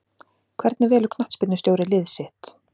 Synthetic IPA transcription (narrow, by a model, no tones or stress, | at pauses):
kʰvɛɾt̪naɾvɛːlʏkʰnaht̪spɪt̪nʏst̪jowɾɪlɪðsɪht̪